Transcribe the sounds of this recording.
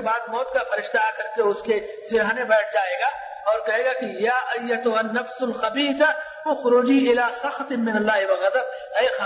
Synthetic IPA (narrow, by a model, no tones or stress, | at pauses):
baːd̪̚mɔːt̪̚kafɐɾɪʃt̪akɐɾkeʊske | sɪɾaːnẽbɛːʈ̚ʰd͡ʒaːeːɡaː | ɔːɾkɐɦeːɡakijaːʔɐjːɐt̪ʊɦɐnːɐfsʊlxɐbiːt̪a | ʊxɾʊːd͡ʒiːɪlaːsɐxt̪ɪmːɪnɐlːaːɦɪwɐɣɐd̪ɐb̚ | ɛːx